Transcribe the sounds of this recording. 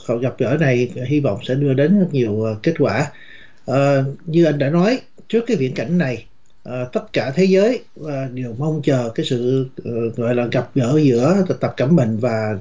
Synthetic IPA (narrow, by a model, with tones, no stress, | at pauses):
ɣa˨˩p̚ɣə̰ː˧˩na˨˩jhi˧vɔ̰˧˨wŋ͡msɛ̰˧˥ɗɨ˧əɗe˨˦nzə˦˥t̚ɲi˨˩əwke˦˥t̚kwaː˧˩ | ʔəː˨˩ɲɨ˧ʔa˧ŋ̟ɗa̰ː˧˥nɔ˨˦j | t͡ɕɨ˦˥əkːaː˨˦jvḭ˧ənka̰˧˩jŋ̟na˨˩j | ʔəː˨˩t̪ə˦˥t̚kaː˧˩t̪ʰe˨˦zəː˨˦jː | ɗe˨˩əwmə˧wŋ͡mt͡ɕəː˨˩kaː˨˦jsɨ̰˧˨ɣɔ̰˧˨jlaː˨˩ɣa˨˩p̚ɣə̰ː˧˥zɨ̰˧˥ət̪ə˨˩p̚kə˧˩mːï˨˩ŋ̟vaː˨˩